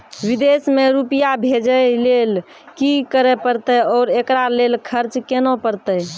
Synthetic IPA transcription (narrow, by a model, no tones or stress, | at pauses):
ʋid̪esmeɾupijabʱed͡ʒəlel | kikəɾɛpəɾt̪əjɔːɾekɾalelkʰəɾt͡ʃkenopəɾt̪ə